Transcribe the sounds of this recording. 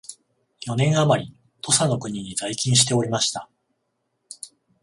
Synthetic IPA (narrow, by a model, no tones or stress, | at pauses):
jo̞nẽ̞ɰ̃amaɾʲi | t̪ʰo̞sano̞kɯ̟ɲ̟iɲ̟izaikʲĩɰ̃ɕi̥t̪e̞o̞ɾʲimaɕi̥t̪a